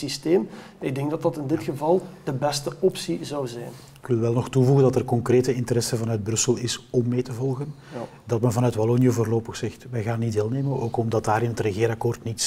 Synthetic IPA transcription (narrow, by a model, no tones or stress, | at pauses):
sisteːm | ɪɡ̚dɛŋɡdɑtdɑtɪndɪtxəvɑlˠd̥əbɛstəɔpsizɑwzɛjn | ɪkʋɪlʋɛlˠnɔxtuvuɣəndɑtɛrkɔŋkreːtəɪntəɾɛsəvɑnœɥd̚brɵsəlɪsɔmːeːtəvɔlˠɣən | dɑtmɛnvɑnœɥtbalonjəvoːrloːpəxsɛxtʋɛjɣaːnːitdeːlˠneːmənoːkɔmdɑtdaːɾɪnɦətrəɣeːɾɑkoːrtnits